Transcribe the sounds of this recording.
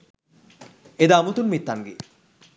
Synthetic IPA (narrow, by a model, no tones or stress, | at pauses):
ed̪aːmut̪unmit̪ːaŋɡe